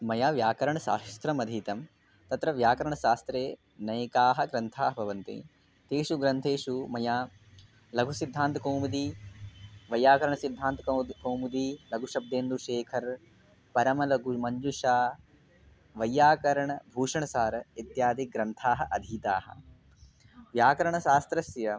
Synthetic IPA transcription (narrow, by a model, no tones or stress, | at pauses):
mɐjaːʋjaːkɐɾɐɳɐʃa̰ːst̪ɾɐmɐd̪ʱiːt̪ɐm | t̪ɐt̪ɾɐʋjaːkɐɾɐɳɐʃaːst̪ɾeː | nɐjkaːɦɐ̆ɡɾɐnt̪ʰaːɦɐbʱɐʋɐnt̪ḭ | t̪eːʃuɡɾɐnt̪ʰeːʂumɐjaː | lɐɡʱusid̪ʱːaːnt̪ɐkoːmud̪i | ʋɐjːaːkɐɾɐɳɐsid̪ʱːaːnt̪koːmud̪ilɐɡʱuʃɐb̚d̪eːnd̪uʃeːkʰɐɾ | pɐɾɐmɐlɐɡumɐɲd͡ʒuʃaː | ʋɐjːaːkɐɾɐɳɐbʱuːʂɐɳɐsaːɾɐit̪jaːd̪ʱiɡɾɐnt̪ʰaːɦɐʔɐd̪ʱiːt̪aːɦɐ̰̆ | ʋjaːkɐɾɐɳɐʃaːst̪ɾɐsjɐ